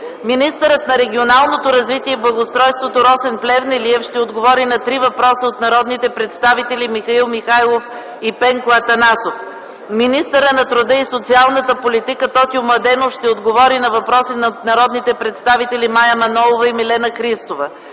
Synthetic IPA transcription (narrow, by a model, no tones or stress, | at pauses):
minist̪əɾət̪nɐɾɛɡʲionalˠnot̪oɾɐzvit̪iɛblˠɐɡost̪ɾɔjst̪vot̪oɾɔsɛnplʲɛvnɛliɛfʃt̪ɛod̪ɡovɔɾinɐt̪ɾivɐpɾɔsəot̪nɐɾɔd̪nit̪ɛpɾɛt̪st̪avit̪ɛlʲimixɐilˠmixajlˠof | ipɛŋkoɐt̪ɐnasof | minist̪əɾənɐt̪ɾʊd̪əisot̪sialˠnət̪əpolit̪ikət̪ɔt̪iomɐd̪ɛnofʃt̪ɛod̪ɡovɔɾinɐvɐpɾɔsinɐnɐɾɔd̪nit̪ɛpɾɛt̪st̪avit̪ɛlimajɐmɐnɔlˠovəimilɛnəkɾist̪ovə